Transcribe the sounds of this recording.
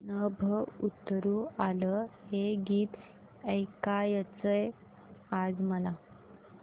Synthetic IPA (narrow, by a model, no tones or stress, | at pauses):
nəbʱəut̪ːɾuːaləheɡiːt̪ | əjkajət͡səj | ad͡zməla